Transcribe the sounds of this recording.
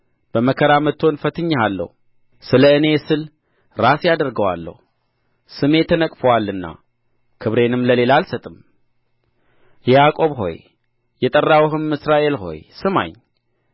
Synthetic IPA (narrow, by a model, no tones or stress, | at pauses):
b̥əməkʰəɾamət̪ʰːo̞nfət̪ʰɨɲːalːə̰hu | sɨləɨne̞sɨl | ɾasjad̪əɾɡəwa̰lːə̰hu | sɨme̞t̪ʰənəkʼfəwalːɨnːa̰ | kʰɨβɾe̞nɨmləle̞laːlsət̪ʼɨm | jɛjakʼo̞βɦo̞̰j | jɛt̪ʼərːawɦɨmːɨsɾaʔe̞lɦo̞̰jsɨma̰ɲː